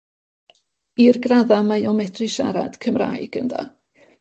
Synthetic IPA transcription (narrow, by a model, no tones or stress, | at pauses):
irɡraðamajɔmɛdʰrɨʃa̰ɾa̰d̥kʰəmra̰ːjɡ̥ənda̰